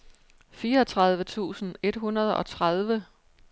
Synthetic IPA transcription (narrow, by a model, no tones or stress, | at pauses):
fiːɐɒt͡sʰʁað̞ˠʋət͡sʰṵːsn̩e̝d̥ɦunɐð̞ˠɒ̽t͡sʰʁaðˠʋə